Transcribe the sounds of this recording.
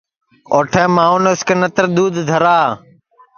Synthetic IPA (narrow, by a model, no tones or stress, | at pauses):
oːʈʰɛ̃ːmaːuːnʊskeːnət̪əɾd̪uːd̪ʱd̪ʱəɾaː